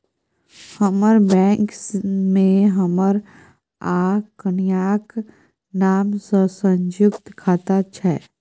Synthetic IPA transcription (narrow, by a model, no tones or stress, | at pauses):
həməɾbɛ̃ːŋksmẽɦəməɾ | aːkənjaːk | naːmsəsə̃ɲd͡ʒʊkt̪kʰaːt̪at͡ʃʰɛ